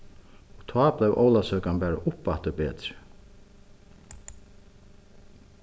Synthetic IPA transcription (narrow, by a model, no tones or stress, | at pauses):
ɔt̪ʰaːplɛjvʔɔ̰wlasœːkanpɛːɾa̰ʔʊpːat̪ʏpɛːt̪ɾɪ̥